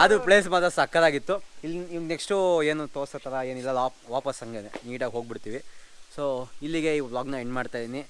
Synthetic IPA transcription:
ɐd̪uple̞ːsmɐd̪ɾɐsɐkːɐd̪aːɡit̪ːuilːiʋŋɡneksʈueːnut̪oːɾsɐt̪ɐɾɐeːnilːɐlaː | ʋaːpɐsɐŋɡed̪eniːɽaːɡɦo̞ːɡ̚biɽt̪iːʋisoːilːiɡe̞iːblaːɡnueɳɖmaːɖt̪ajd̪ini

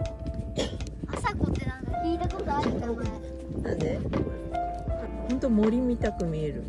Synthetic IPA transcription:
asakot̪eɾãakʲiːt̪akoɾd̪aaːɾʲit̪aokana | na̰de | hõnt̪o̞mo̞ɾʲimʲit̪akɯ̟mʲieɾɯ̟

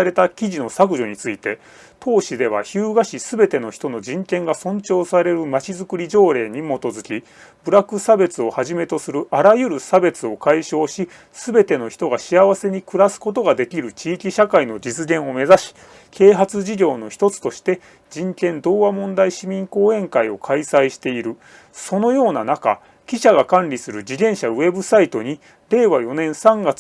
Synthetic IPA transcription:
ɾe̞t̪akʲiʑino̞sak̬ɯ̟ʑo̞ɲ̟it͡sɨit̪e̞ | t̪ʰo̞ːɕid̪e̞β̞a̰çɨːɡaɕisɨbe̞t̪e̞no̞çi̥t̪ono̞d͡ʑĩŋkẽ̞ŋɡasõ̞ɲt͡ɕo̞ːsaɾe̞ɾɯ̟mat͡ɕizɨkɯ̟ɾʲiʑo̞ːɾe̞ːɲ̟imo̞t̪o̞zɨkʲi | bɯ̟ɾakɯ̟sabe̞t͡sɨo̞haʑime̞t̪o̞sɨɾɯ̟ʔaɾajɯ̟ɾɯ̟sabe̞t͡sɨo̞kaiɕo̞ːɕi | sɨbe̞t̪e̞no̞çi̥t̪o̞ɡaɕiaβ̞ase̞ɲ̟ikɯ̟ɾasɨ̥ko̞t̪̬o̞ɡad̪e̞kʲiɾɯ̟t͡ɕiːkʲiɕakaino̞d͡ʑit͡sɨɡẽ̞ɰ̃o̞me̞zaɕi̥ | kʰe̞ːɦat͡sɨʑiɡʲo̞ːno̞çi̥t̪o̞t͡sɨ̥t̪o̞ɕi̥t̪e̞ | d͡ʑĩŋkẽ̞nd̪o̞ːβamõ̞nd̪aiɕimʲĩŋko̞ːẽ̞ŋkaio̞kʰaisaiɕi̥t̪e̞iɾɯ̟ | so̞no̞jo̞ːna̰naka̰ | kʲiɕaɡakãnɾʲisɨɾɯ̟d͡ʑid̪ẽ̞ɰ̃ɕaɯ̟e̞bɯ̟sait̪o̞ɲ̟i | ɾe̞ːβajo̞nẽ̞ɰ̃sãŋɡat͡s

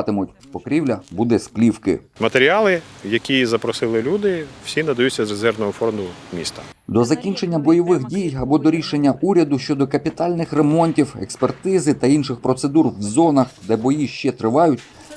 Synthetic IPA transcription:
t̪ɪmʊtʲpɔkɾʲiwlʲɐbud̪ɛsplʲiwkɪ̰mɐt̪eɾʲiɑlˠɪjɐkʲizɐpɾɔsɪlˠɪlʲud̪ɪw̥sʲinɐd̪ɐjuːɐzrezɛrʋnɔɦɔfɔrmd̪ʊmʲḭst̪ɐ̥ | d̪ɔzɐkʲinʲt͡ʃe̞nʲːɐbɔjɔʋɪxdʲijɐbɔd̪ɔɾʲiʃenʲːɐʔuɾʲɐd̪ʊʃt͡ʃɔd̪ɔkɐpʲit̪ɑlʲnɪxre̞mɔnʲtʲiwḛkspert̪ɪzɪt̪ɐinʃɪxpɾɔt̪sed̪urwzɔnɐxd̪ɛbɔjiʃt͡ʃɛt̪ɾɪʋɑjʊtʲ

